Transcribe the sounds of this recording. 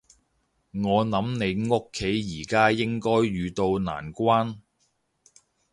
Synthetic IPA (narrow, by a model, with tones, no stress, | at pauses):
ŋɔː˨˧nɐ˨˥mne˨˧jŋʊ˥kʰːe˨˥jjiː˨˩kaː˥jɪ˥ŋkɔː˥jːyː˨˧t̪o˧wna̰ː˨˩nkʷaː˥n